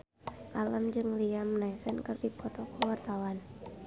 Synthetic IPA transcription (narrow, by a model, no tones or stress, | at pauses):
kalamd͡ʒɨŋliamnaisɛnkɨrdipʰɔt̪ɔkuwart̪awan